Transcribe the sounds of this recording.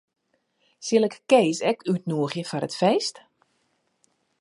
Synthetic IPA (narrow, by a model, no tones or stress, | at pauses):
sɪlˠɛkːeːsɛkʰyt̚nuəxjəfɔɾətfeːst